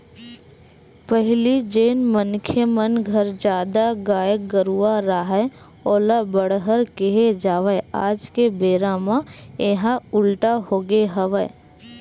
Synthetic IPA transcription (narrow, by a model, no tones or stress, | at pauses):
pəɦlid͡ʒeːnmənkʰjəmənɡʱəɾd͡ʒaːd̪aɡaːjəɡəɾuaɾaːɦɛ | oːlabəɽɦəɾkeɦed͡ʒaːʋəa̰ːd͡ʒkebeːɾaːmãeɦãʊlʈahoːɡeɦəʋə